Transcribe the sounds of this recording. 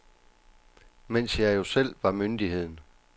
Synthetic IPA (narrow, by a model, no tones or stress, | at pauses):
men̰sjɑ̈jo̝sel̰ʋɑ̈mynd̥ihe̝ð̞̰ˠn̩